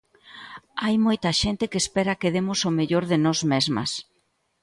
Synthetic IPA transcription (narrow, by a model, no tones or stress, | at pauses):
ajmojt̪ɐʃent̪ɪkeːspɛɾɐkeðemʊsomeʎoɾðɪnɔzmezmɐ̰s